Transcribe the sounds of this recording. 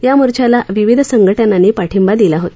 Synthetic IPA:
jamuɾt͡ɕʰalaʋiʋid̪ʱəsəŋɡʱəʈjananːiːpaʈʰimbad̪ilaɦot̪

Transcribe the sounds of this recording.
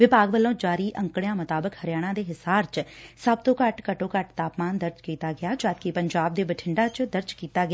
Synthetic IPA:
ʋɪpaːɡbəlːõːd͡ʒaːɾiːʔə̃ŋkɽejãːmʊt̪aːbəkhəɾɪjaːɽ̃ãːd̪eːɦɪsaːɾt͡ʃsəbt̪õːkəʈkəʈõːkəʈt̪aːpmaːnd̪əɾd͡ʒkiːt̪aːɡɪjaːd͡ʒaːd̪kipəɲd͡ʒaːb̚d̪eːbəʈʰɪɳɖaːt͡ʃd̪əɾd͡ʒkiːt̪aːɡɪ

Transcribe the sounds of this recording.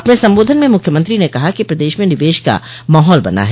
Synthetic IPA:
ɐpnesɐ̃mboːd̪ʱənmẽmʊkʰjəmɐ̃nt̪ɾinekɐɦakipɾɐd̪eːʃmẽnɪʋeːʃka̰ | maːɦɔːlbɐ̰na̰ɦɛː

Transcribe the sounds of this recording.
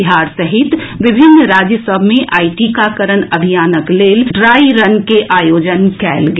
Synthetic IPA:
ɪɦaːɾsɐɦɪt̪ʋɪbʱɪnːɾaːd͡ʒjəsəbʱmẽʔaːiʈikakəɾənɐbʱijaːnəkleːlɖɾaːiɾɐnkeʔaːjoːd͡ʒənkɛːlɡ

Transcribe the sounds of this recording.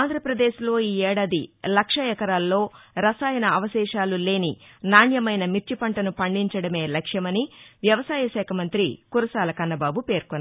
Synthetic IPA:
aːnd̪ʱɾɐpɾɐd̪e̞ːʃlo̞ːiːɛːɽaːd̪ilɐkʂɐjɐkɐɾaːlːo̞ːɾɐsaːjɐnɐɐʋɐʃɛːʃaːlule̞ːninaːɳjɐmɐjnɐmiɾt͡ʃipɐɳʈɐnupɐɳɖiɲt͡ʃɐɽɐme̞ːlɐkʂjɐmɐniʋjɐʋɐsaːjɐʃɛːkʰɐmɐnt̪ɾḭkuɾɐsaːlɐkɐnːɐbaːbupe̞ːɾkonː

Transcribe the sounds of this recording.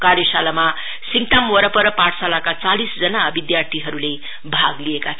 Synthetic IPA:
kaɾjʌsalama | siŋʈ̪amoɾʌpʌɾʌpãʈʰsalakat͡salisd͡zʌnabid̪jart̪ʰiɦʌɾule | bʱaɡlijeka

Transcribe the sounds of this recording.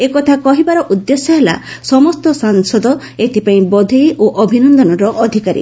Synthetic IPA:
ekɔt̪ʰakɔɦibaɾɔʔud̪ːesɔɦela̰sɔmɔst̪ɔsaŋsɔd̪ɔ | et̪ʰipaĩbɔd̪ʱijʔoʔɔbʱinɔnd̪ɔnɔɾɔʔɔd̪ʱikaɾḭ

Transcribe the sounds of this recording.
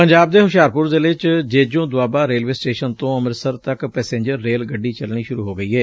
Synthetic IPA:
pəɲd͡ʒaːb̚d̪eːɦʊʃjaːɾpʊɾd̪eːlɪt͡ʃd͡ʒeːd͡ʒõːd̪ʊaːbaːɾeːlʋeːsʈeːʃənt̪õːəməɾsəɾt̪əkpɛːsẽːɲd͡ʒəɾːeːlɡəɖːiːt͡ʃəlɳ̃iːʃʊɾuːɦoːɡəiːɦɛː

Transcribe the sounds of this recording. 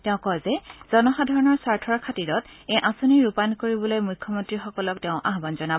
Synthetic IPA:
tɛʊ̃kɔjzɛz̥ɔnɔxadʱaɹɔnɔɹsaɹtʰɔɹkʰatiɹɔt | ejʔasuniɹupankoɹibɔlojmujkʰːɔmɔntɹixɔkɔlɔktɛʊ̃ʔaɦbanzɔnabɔ

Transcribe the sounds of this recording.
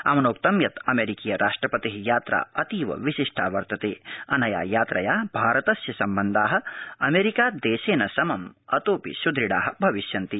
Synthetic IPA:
ɐ̰mɐnoːk̚t̪ɐmjɐt̪ɐmeːɾikiːjɐɾʔaːʂʈɾɐpɐt̪iɦijaːt̪ɾa̰ːɐt̪iːʋɐ̰ʋiʃiʂʈʰaːʋɐɾt̪ɐt̪eːɐnɐja̰ːjaːt̪ɾɐjaːbʱaːɾɐt̪ɐsjɐsɐmbɐnd̪ʱaːɦɐ̆ɐmeːɾikaːd̪eːʃeːnɐsɐmɐmɐt̪oːpḭʃud̪ʱɾiɽaːɦɐ̆bʱɐʋiʃjɐnt̪i

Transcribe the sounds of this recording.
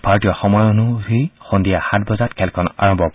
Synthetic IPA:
bʱaɹɔtijɔxɔmɔjonuzixondijaxatbɔzatkʰɛlkʰɔna̰ɹɔmbʱɔp

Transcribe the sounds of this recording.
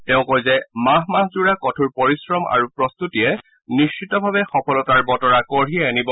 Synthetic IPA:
tɛʊ̃kojzɛmaɦmaɦzuɹakɔtʰuɹpɔɹisɹɔma̰ɹupɹɔst̪utijɛ | nist͡ʃitɔbʱabɛxɔpʰɔlɔtaɹbɔtɔɹakɔɹiɛanibɔ

